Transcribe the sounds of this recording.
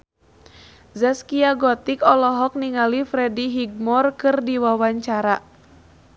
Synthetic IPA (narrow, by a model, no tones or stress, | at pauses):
zaskiaɡɔt̪ikɔlɔɦɔk̚niŋalifɾɛdiɦiɡ̚mɔrkɨrdiwawaɲt͡ʃaɾa